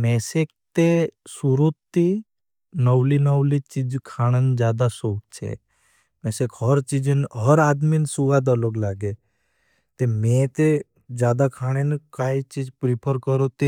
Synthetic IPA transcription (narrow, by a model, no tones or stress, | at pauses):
meːseːk̚t̪esuɾot̪i | nəwlinəwlit͡ʃid͡ʒkʰaːɽ̃end͡ʒjaːd̪asoːk̚t͡ʃʰḛ | meːsekʰɦəɾt͡ʃid͡ʒənɦəɾaːd̪minsuɡad̪aloːɡlaːɡe | t̪emẽːt̪e | d͡ʒjaːd̪akʰaːɽ̃enkaːit͡ʃiːd͡ʒpɾipʰəɾkəɾot̪e